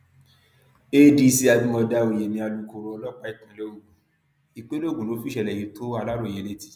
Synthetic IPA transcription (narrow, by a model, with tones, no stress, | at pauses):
e˦di˧si˦˧a˧bi˦mɔ̃˧da˧o˨je˨nĩ˧a˧lu˨˦ko˧ɾo˧lɔ˦k͡pa˦i˦˨tã˨˦lo˦˨ɡũ˨ | i˨˧k͡pe˦lo˦˨ɡũ˨lo˨˦fi˦ʃɛ˧˨lɛ˨ji˨˦tʰo˦a˧la˦ɾo˦˨e˨˦le˦ti̥˦